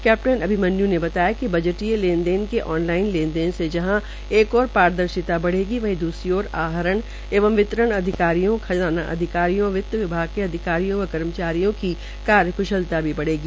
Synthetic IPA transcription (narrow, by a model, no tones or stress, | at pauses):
kɛːp̚ʈənɐbʱimɐnːjũnebɐt̪aːjakibɐd͡ʒəʈielẽːnd̪eːnkeʔɔːnlaːɪnlẽːnd̪eːnsed͡ʒɐɦã | eːkɔːɾpaːɾd̪əɾʃɪt̪abɐɽ̤eːɡiʋɐɦĩd̪uːsɾiɔːɾaːɦəɾəɳ | eːʋə̃mʋɪt̪ɾəɳ̃ɐd̪ʱɪkaːɾijõkʰɐzaːna̰ʔɐ̰d̪ʱɪkaːɾijõʋɪt̪ːəʋɪbʱaːɡ̚keɐd̪ʱɪkaːɾijõʋɐkɐɾmət͡ʃaːɾijõki | kaːɾjəkʰʊʃəlt̪abʱibɐɽeːɡiː